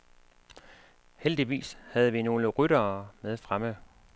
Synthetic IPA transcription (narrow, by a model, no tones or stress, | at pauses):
held̥iʋḭːshæð̞ˠʋino̝ːləʁyɾɐːmeð̞ˠfʁamə